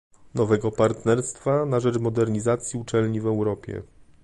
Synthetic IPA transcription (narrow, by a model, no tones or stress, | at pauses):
nɔvɛɡɔpaɾt̪nɛɾst̪fanaʐɛt͡ʂmɔd̪ɛɾɲizat̪sʲjiut͡ʂɛlɲivɛwɾɔpʲjɛ̰